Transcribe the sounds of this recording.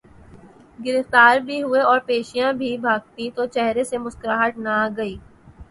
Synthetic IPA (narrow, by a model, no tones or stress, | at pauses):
ɡɪɾɪft̪aːɾbʱiɦʊeɔːɾpeːʃijãbʱibʱaːɡ̚t̪ĩt̪ot͡ʃɛɦɾesemʊskɾaːɦəʈ̪naɡɐiː